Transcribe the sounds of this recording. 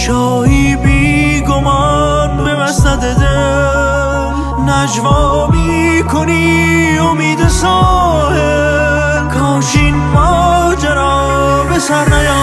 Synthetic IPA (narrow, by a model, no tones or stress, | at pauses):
ʃɔːhiːbiːɡomɑːɾbebæst̪æd̪ed̪e | næd͡ʒvɔː | miː | kʰoni | omiːd̪esɔː | he | kʰɔːʃinmɔːd͡ʒaɾɔː | besæɾnæjɔː